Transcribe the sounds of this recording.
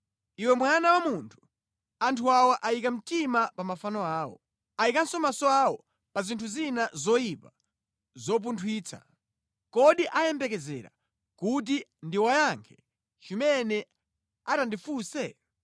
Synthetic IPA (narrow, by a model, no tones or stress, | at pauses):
iwɛmwajanawamuntʰu̥ | antʰuawaʔajikam̩timapamafanɔaːwɔ̰ | aikansɔmasɔawɔ | pazintʰuzinazɔjipa | zɔp̬untʰwiːt͡sʰa̰ | kɔɗiʔajɛmbɛkɛzɛ̰ɾa̰ | kut̬indiwajaŋkʰɛ | t͡ʃimɛnɛ | atandifusɛ